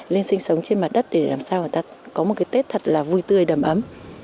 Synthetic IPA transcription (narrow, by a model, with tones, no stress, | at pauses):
li˧ənsï˧ŋ̟sə˨˦wŋ͡mt͡ɕe˧nma˨˩t̚ɗə˦˥t̚ɗe˧˩laː˨˩msaː˧wə˨˩jt̪aː˧kɔ˨˦mo˨˩t̚kaː˨˦jt̪e˦˥t̚t̪ʰə˨˩t̚laː˨˩vu˧jt̪ɨ˧˩əjɗə˨˧˩mʔə˨˦m